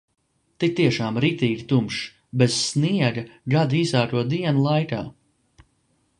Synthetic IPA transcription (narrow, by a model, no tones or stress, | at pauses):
t̪ik̚t̪iɛʃaːmɾiːt̪iːɡʲit̪umʃ | bez̥sniɛɡɡad̪iiːzaːkuɔd̪iɛnulˠajka̰ː